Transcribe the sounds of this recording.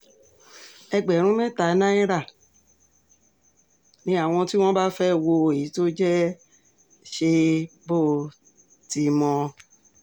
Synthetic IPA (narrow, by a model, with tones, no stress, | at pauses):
ɛ˧ɡ͡bɛ˨ɾ̃ũ˦mɛ̃˦ta˨˦nã˦i˦ɾa˦˨ | nĩ˨˦a˦˨w̃ɔ̃˧ti˦w̃ɔ̃˦ba˦fɛ˦˨wo˧e˨i˨˦to˦d͡ʒɛ˦ | ʃe˧bo˦˨ | ti˧mɔ̃˧